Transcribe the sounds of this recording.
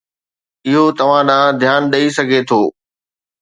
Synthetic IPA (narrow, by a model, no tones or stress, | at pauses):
ɪɦot̪ɐʋ̤ãɗãːd̪ʱjaːnɗɐisɐɡʱet̪ʰoː